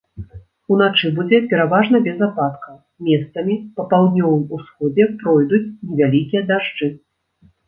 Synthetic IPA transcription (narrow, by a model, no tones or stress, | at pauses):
un̪at͡ʂɨbud͡zʲɛpʲɛɾavaʐnɐbʲɛzapat̪kɐ | mʲɛst̪sɐmʲipɐpawd̪nʲɔvɨjusxɔd͡zʲɛpɾɔjd̪ut͡sʲnʲɛvʲalʲikʲijɐd̪aʐd͡ʐɨ